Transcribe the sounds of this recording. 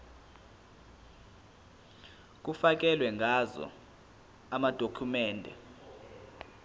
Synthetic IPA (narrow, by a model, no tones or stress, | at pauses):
k̬ufak̬ɛlwɛŋʱazɔ̰ | amad̥ʱokʰumɛːndʱɛ̰